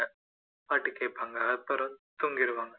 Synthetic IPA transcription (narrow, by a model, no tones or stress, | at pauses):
ɐ | paːʈːikːeːpːaːŋɡɐpːɐɾɐnt̪uŋɡɪɾɯʋaːŋɡɐ